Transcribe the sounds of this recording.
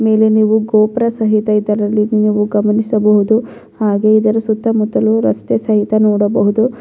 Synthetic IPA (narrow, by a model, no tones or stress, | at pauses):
me̞ːle̞niːʋuɡoːpɾɐsɐɦit̪ɐid̪ɐɾɐlːiniːʋuɡɐmɐnisɐbɐɦud̪u | haːɡe̞id̪ɐɾɐsut̪ːɐmut̪ːɐluɾɐ̰st̪esɐɦit̪ɐnoːɽɐbɐɦud̪u